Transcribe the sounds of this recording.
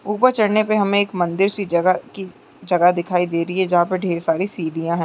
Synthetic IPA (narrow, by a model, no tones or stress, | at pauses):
uːpəɾt͡ʃɐɽnepeɦɐmẽeːkmɐ̃nd̪ɪɾsiɐɡaki | d͡ʒɐɡaɦd̪ɪkʰaːid̪eːɾɐiɦɛ̃d͡ʒɐɦãpəɖʱeːɾsaːɾisiːd̪ʱijãɦɛ̃ː